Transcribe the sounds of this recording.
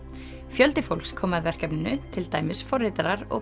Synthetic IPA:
fjœlt̪ɪfowlkskʰɔːmaðvɛr̥kɛpnɪnʏt̪ʰɪlt̪aːjmɪsfɔɾːɪt̪aɾaɾɔ̰

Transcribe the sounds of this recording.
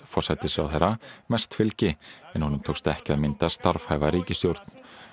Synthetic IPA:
fɔr̥sajt̪ɪsa̰wθeɾamɛst̪fɪlcɪɛnhunʏmt̪ʰowkst̪ɛhcɪaðmɪnt̪ast̪aɾfhajvaɾiːcɪst̪jowɾt̪n̥

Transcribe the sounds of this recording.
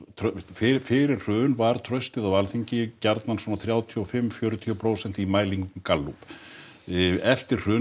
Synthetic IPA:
t̪ʰfɪfɪːɾɪr̥r̥ʏːnvaɾ̥t̪ʰɾœɥst̪ɪðawvalθiɲcɪcaɾt̪nansɔnaθɾjaːwt̪ʰiɔfɪmfjœːɾʏt̪ʰiɔpʰɾoːwsɛn̥t̪imaːjliŋkʏmkalːup | ɛft̪ɪr̥r̥ʏː

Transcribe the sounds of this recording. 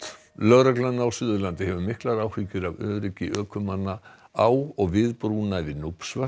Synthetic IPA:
lœɣɾɛklanːaawsʏːðʏɾlant̪ɪhɛvʏmɪhklaɾaːwhiːcʏɾavœːɾicɪʔœːkʰʏmanːa | awɔɣvɪðpɾuːnavɪðnupsva

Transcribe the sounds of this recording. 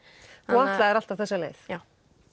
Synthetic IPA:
θuaht̪laɛɾal̥t̪avθɛsːalḛːθ

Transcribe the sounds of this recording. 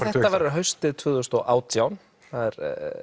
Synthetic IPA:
ɛt̪avajɾɪɾɦœɥst̪ɪt̪ʰvʏːðʏst̪ɔɣʔaːwt̪ʰjawn | θaðɛɾ

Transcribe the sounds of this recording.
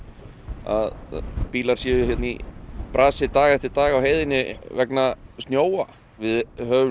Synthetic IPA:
a̰ðpiːlaɾ̥sjɛðʏçjɛt̪nipɾaːsɪt̪aːɣɛft̪ɪɾt̪aːɣawɦeːjðɪnːɪvɛknast̪njoːwa | vɪðhœːʏ

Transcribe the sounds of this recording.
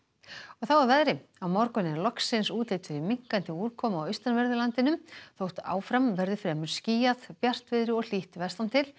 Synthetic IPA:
ɔɣθawaɾvɛðɾɪawmɔɾkʏnɪɛɾlɔksɪnsuːt̪lejt̪ɪɾimiŋ̥kant̪ɪuːɾkʰɔːmaːwʏjst̪anvɛɾðʏlant̪ɪnʏmθowht̪a̰ːwfɾamvɛɾðʏfɾɛːmʏɾ̥sciːjaðpjar̥t̪vɪðɾɪɔɣl̥iht̪vɛ̥st̪ant̪ʰɪl

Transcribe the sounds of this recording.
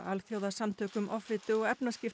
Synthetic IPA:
alθjoːwðasamt̪ʰœːkʏmʔɔfɾɪt̪ɪɔɣɛpnascɪf

